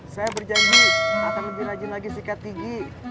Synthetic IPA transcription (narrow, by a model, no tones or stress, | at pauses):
sajabərd͡ʒaɲd͡ʒiakanləbɪhlad͡ʒilaɡisikat̪iɡi